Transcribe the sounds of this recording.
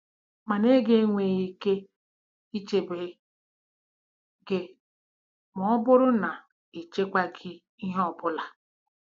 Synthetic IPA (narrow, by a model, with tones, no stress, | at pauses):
ma˨ne˦ɡe˦ŋʷe˨ɣi˦ke˦ | i˦t͡ʃe˨be˨ | ɡɪ˨ | mɔ˨˦bʊ˦ɾʊ˦na˨ | i˨t͡ʃe˦kʷa˦ɡi˦ | i˦ɦɔ˦bʊ˦la˨